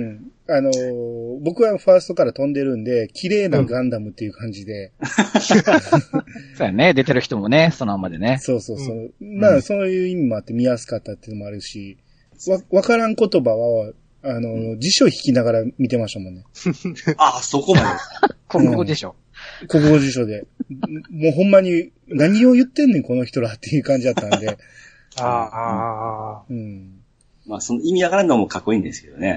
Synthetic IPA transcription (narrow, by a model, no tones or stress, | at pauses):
ɯ̃ano̞bo̞kɯ̟βaɸaːsɨ̥t̪o̞kaɾat̪õ̞nd̪e̞ɾɯ̟̃nd̪e̞kʲʰiɾe̞ːnaɡãnd̪amɯ̟t̪ːe̞iɯ̟kʰãɲ̟d͡ʑid̪e̞ | soːjaned̪e̞t̪e̞ɾɯ̟çi̥t̪o̞monesonoamad̪eneso̞ːso̞ːso̞ːmaːso̞nojɯimʲimo̞at̪ːe̞mʲias̬ɨ̥kat̪ːat̪ːeiɯnomoaɾɯ̟ɕi | βaβakaɾãŋko̞t̪o̞baβaː | no̞d͡ʑiɕo̞çi̥kʲinaɡaɾamʲit̪e̞maɕomõ̞nːe̞ | asokomad̪ekoɯ̃o | ko̞kɯ̟ɡo̞ʑiɕ̬o̞d̪e̞ | moːɦõ̞mːaɲ̟i | naɲ̟io̞jɯ̟t̪ːenːeko̞no̞çi̥t̪o̞ɾat̪ːe̞jɯ̟ːkãɲ̟d͡ʑid̪at̪ːand̪e̞ | a | ɯ̟̃ɴ | ma̰ːsonoimʲiaɡaɾanomokʰakːo̞ĩːnd̪e̞sɨ̥ke̞d̪onḛ